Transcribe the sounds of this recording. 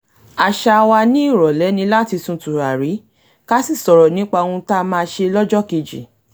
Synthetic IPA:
a˨ʃa˧wa˧nĩ˦i˦˨ɾɔ˨lɛ˨˦nĩ˧˦la˦ti˧sũ˨˧tũ˨ɾa˨ɾi˨˦ | ka˦si˦˨sɔ˨ɾɔ˨nĩ˨˦k͡pa˧o˧ũ˧ta˦˧mãː˧ʃe˧lɔ˦d͡ʒɔ˦ke˧d͡ʒḭ˨

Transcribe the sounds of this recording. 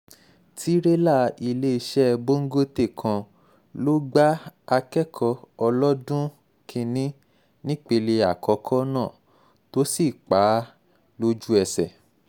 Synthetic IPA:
tʰi˦ɾe˦la˦˨i˧le˦i˧ʃɛ˦˧bo˦ŋ̩˦ɡo˦te˦˨kʰã˧ | lo˦ɡ͡ba˦a˧kɛ˦kʰɔ˧ɔ˧lɔ˦dũ˦ | kʰĩ˧nĩ˦ | nĩ˦k͡pe˧le˧a˨kɔ˨˧kʰɔ˦nãː˦˨ | to˨˦si˦˨k͡pa˨˦ | lo˦d͡ʒu˦ɛ˧sɛ̰˨

